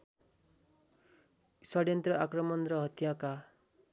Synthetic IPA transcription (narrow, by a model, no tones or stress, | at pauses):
sɔɽjʌnt̪ɾɔʔakɾɔmɔnɾɔɦʌt̪jãka